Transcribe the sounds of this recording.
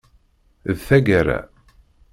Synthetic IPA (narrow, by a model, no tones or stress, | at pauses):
ðθæɡaɾæ̰